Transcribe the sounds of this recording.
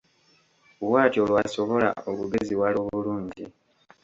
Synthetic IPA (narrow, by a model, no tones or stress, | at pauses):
uwaːtio̞lwaso̞βo̞la̰okuɡeziwaloːβuluːɲɟi